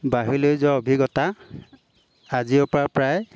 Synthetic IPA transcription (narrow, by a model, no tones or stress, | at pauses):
baɦilojzɔobʱiɡɔta | aziʊpɹapɹaj